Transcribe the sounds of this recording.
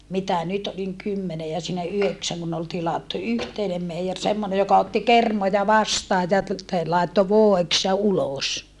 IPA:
mitæ nyt oliŋ kymːene jɑ siːnæ yheksæŋ kun ol tilɑtːu yhteinem meijer semːone jokɑ otːi kermojɑ ʋɑstɑːj jɑ t te lɑˑetːo ʋoˑeks jɑ uloˑs

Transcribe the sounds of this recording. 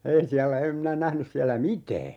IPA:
ei siælːæ em minæ næhnys siælːæ mitæː

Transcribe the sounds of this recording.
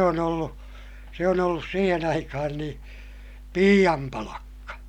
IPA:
on olːu se on olːus siːhen ɑikɑhɑn nĩː piːj̆ɑm pɑlɑkːɑ

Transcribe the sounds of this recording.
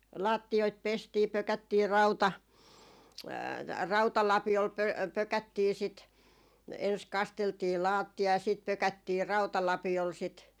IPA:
lɑːtːioit pestiː pøkætːiː rɑutɑ rɑutɑlɑpiol pø pøkætːiː sit ens kɑsteltiː lɑːtːiɑ jɑ siːt pøkætːiː rɑutɑlɑpiol sit

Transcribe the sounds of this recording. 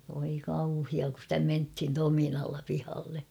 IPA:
ʋoi kɑuhiɑ ku stæ menthin tominɑlːɑ pihɑlːe

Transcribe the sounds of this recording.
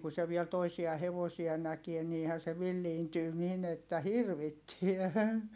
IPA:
ku se ʋiɛl toisiɑ heʋosiɑ nækie niːhæn̞ se ʋilːiːntyː nin etːæ hirʋitːiæ

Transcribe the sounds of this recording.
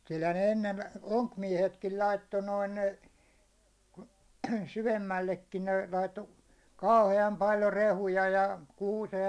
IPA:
kylhæn ne enːen oŋkmiɛhetkil lɑitːo noin syʋemːælːekːin ne lɑitːo kɑuheɑm pɑljo rehujɑ jɑ kuːsej

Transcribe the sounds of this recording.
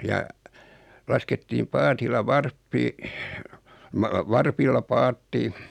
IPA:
jɑ lɑsketːiːm pɑːtilːɑ ʋɑrpːi mɑ ʋɑrpilːɑ pɑːtːi

